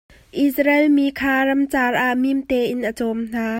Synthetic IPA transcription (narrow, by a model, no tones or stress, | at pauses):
ʔisɾɛlmikʰaːɾɐmt͡saːrʔaʔmimt̪ɛʔɪnʔət͡sɔmn̥aː